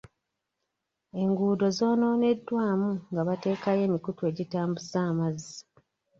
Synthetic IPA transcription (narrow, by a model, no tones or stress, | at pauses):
e̞ŋɡuːdo̞zo̞ːno̞ːne̞dːwaːmuŋɡaβate̞ːkaje̞ːmikutwe̞ːɟitaːmbusaːmazi